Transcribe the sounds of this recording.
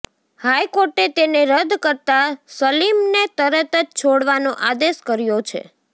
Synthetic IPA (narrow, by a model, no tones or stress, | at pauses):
hajkoɾʈet̪eneɾəd̪ʱkəɾt̪asəlimnet̪əɾət̪əd͡ʒt͡ʃʰoɽʋanoʔad̪eʃkəɾjot͡ʃʰḛ